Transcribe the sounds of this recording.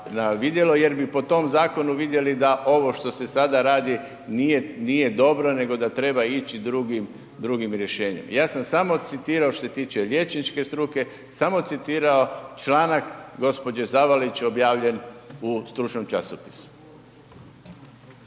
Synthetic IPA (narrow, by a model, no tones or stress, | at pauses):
naʋid̪je̞lo̞je̞ɾbipo̞t̪o̞mzaːko̞nuʋid̪je̞lid̪aʔo̞ʋo̞ʃt̪o̞se̞sad̪aɾaːd̪i | nijenije̞d̪o̞bɾo̞ne̞ɡo̞d̪at̪ɾe̞bait͡ɕid̪ɾuɡim | d̪ɾuɡimɾʲje̞ʃeːɲḛmjaːsamsamo̞t̪sit̪iːɾaot̪oset̪iːt͡ʃe̞lje̞t͡ʃnit͡ʃke̞st̪ɾuke̞ | samo̞t̪sit̪iːɾao̞t͡ʃlˠaːnakɡo̞spo̞d͡ʒezaʋalit͡ɕo̞bjaːʋʎe̞nust̪ɾuːt͡ʃnomt͡ʃasopi̥su̥